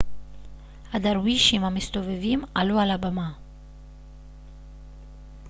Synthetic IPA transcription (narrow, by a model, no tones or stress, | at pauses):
had̪aɾwiʃimhamist̪o̞vevimalualabama